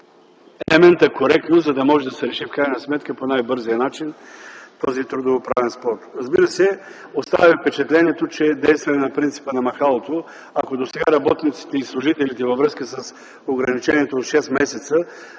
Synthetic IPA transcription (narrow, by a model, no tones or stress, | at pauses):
ɛlɛmɛnt̪ɐkoɾɛk̚t̪nozɐd̪ɐmɔʒɛd̪ɐsɛɾɛʃifkɾajnəsmɛt̪kəponajbɤɾzijənat͡ʃint̪ɔzit̪ɾud̪ovopɾa̰vɛnspɔɾt̪ɾɐzbiɾəsɛ | ost̪a̰vʲifpɛt͡ʃɛt̪lɛniɛt̪ot͡ʃɛd̪ɛjst̪vɐɛnɐpɾint̪si̥pənɐmɐxalˠot̪o | akod̪osɛɡaɾɐbɔt̪nit̪si̥t̪ɛislˠʊʒit̪ɛlit̪ɛvɐvɾɤskəsəs | oɡɾɐnit͡ʃɛniɛt̪oːt̪ʃɛsmɛsɛt̪sə